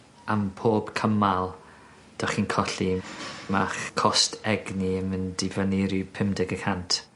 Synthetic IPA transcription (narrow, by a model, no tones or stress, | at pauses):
ampʰoːb̥kʰəmalˠ | d̥ɔχiːnkʰɔɬimaχkʰɔstʰɛɡniəməndivaniɾupʰɪmdɪɡəkʰantʰ